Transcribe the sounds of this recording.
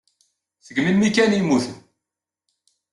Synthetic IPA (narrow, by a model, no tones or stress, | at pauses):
θəɡminmːikænimːuθən